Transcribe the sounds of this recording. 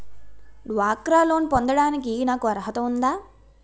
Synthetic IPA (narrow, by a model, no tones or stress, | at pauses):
ɖʋaːkɾaːlo̞ːnpond̪ɐɽaːnikinaːkuɐɾɐɦɐt̪ɐund̪aː